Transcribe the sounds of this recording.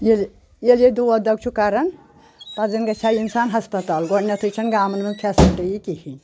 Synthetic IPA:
jel | jeled̪uɐd̪ɐɡ̚t͡ʃʰukaɾɐn | pɐzɐnɡɐt͡ʃʰaːinsaːnɦɐspɐt̪aːlɡonɐt̪ʰɨt͡ʃʰɐnɡaːmɐnmɐnpʰʲasiʈɐjikihi

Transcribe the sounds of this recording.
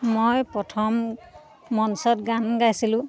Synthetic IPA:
mojpɹɔtʰɔmː | ɔnsɔt̚ɡanɡajsilʊ̃

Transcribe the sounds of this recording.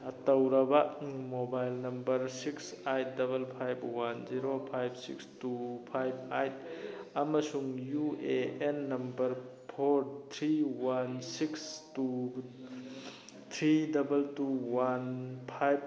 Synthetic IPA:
ɐtɐwɾɐbɐmobajlnɐmbɐɾsiksajtdɐbɐlpʰajbwanziɾopʰajbsḭkstupʰajb̚ajtɐmɐsuŋjueenːɐmbɐɾpʰoɾt̪ʰɾiwansikstu | t̪ʰɾidɐbɐltuwanpʰajb̚

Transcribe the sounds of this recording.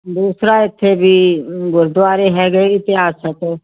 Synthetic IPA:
d̪uːsɾaɪt̪ʰːebʱiːɡʊɾd̪aːɾeɦɛːɡəeɪt̪ɪɦaːsɦɛt̪oː

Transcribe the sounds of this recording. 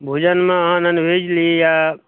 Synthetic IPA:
bʱud͡ʒənmẽəɦãnənbʱed͡ʒlieja

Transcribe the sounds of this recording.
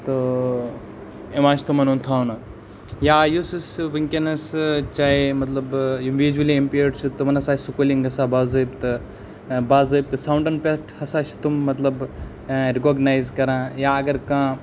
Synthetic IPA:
t̪o | eʋãːt͡ʃʰt̪umɐnunt̪ʰaːnɐ | jaːjusisʋiŋkʲɐnɐst͡ʃaːɦemɐt̪lɐbjunʋiːd͡ʒuɐliempijɖt͡ʃʰut̪umɐnɐsaːsukuliŋɡɐsaːbaːzɐb̚t̪ɨ | baːzɐb̚t̪ɨsawɳʈɐnpesʈʰhɐsaːt͡ʃʰi̥t̪umːɐt̪lɐb | ɾikoːɡnaːjzkɐɾãːjaːɐɡɐɾkãː

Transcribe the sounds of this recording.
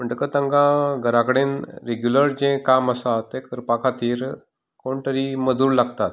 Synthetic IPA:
məɳʈəkət̪ãŋɡãɡʱəɾãkəɽẽnɾeɡjuləɾd͡ʑẽkaməsat̪ẽkəɾpakʰat̪iːɾ | koɳʈəɾiːməd͡zuːɾlaɡt̪at̪̚

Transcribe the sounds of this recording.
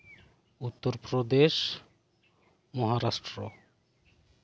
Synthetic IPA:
ut̪ːoɾpɾod̪eʃ | mɔɦaɾaʃʈɾo

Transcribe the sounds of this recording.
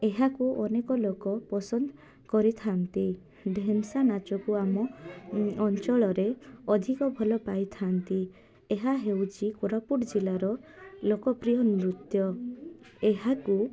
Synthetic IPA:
eɦakuʔɔnekɔlokɔpɔsɔnd̪ʱɔ | kɔɾit̪ʰant̪i | d̪ʱemsanat͡ʃɔkuamɔ | ɔnt͡ʃɔɭɔɾeɔd̪ʱikɔbʱɔlɔpajt̪ʰant̪i | eɦaɦewt͡ʃʰikoɾapuɽd͡ʒilaɾɔlokɔpɾijɔniɾut̪jɔ | eɦaku

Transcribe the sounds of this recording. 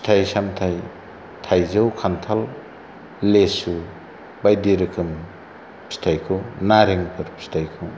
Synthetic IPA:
tʰajsamtʰaj | tʰajzɯwkʰantʰalː | esu | bajdiɾɯkʰɯm | stʰajkʰɯnaɾiŋpʰɯɾpstʰajkʰɯ

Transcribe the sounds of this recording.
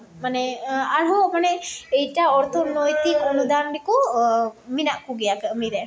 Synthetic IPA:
manɛaɽɦɔmanɛɛjʈaɔɾt̪ʰɔnojt̪ikɔnud̪anɖikɔ | minaʔkuɡɛjakəmiɾɛ

